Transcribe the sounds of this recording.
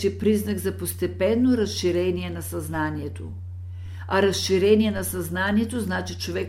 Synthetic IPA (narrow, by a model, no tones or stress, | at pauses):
t̪ipɾiznaɡzapost̪ɛpɛnːoɾasʃiɾɛnijɛnasaznanijɛt̪o̰ | aɾasʃiɾɛnijɛnasaznaniɛt̪oznat͡ʃit͡ʃovɛk